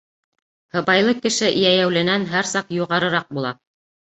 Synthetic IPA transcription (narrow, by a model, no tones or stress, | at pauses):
hɤ̆βɑjlˠɤkɘ̆ʃɘʔjæjæwlɘ̆nænɦæɾsɑqjuʁɑɾɤ̆ɾɑq̚bulˠɑ